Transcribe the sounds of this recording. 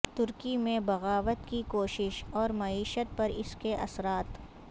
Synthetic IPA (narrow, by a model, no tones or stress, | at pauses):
t̪ʊɾkimẽbɐɣaːʋət̪kikoːʃɪʃɔːɾmɐiːʃət̪̚pɐɾɪskeʔɐsɾaːt̪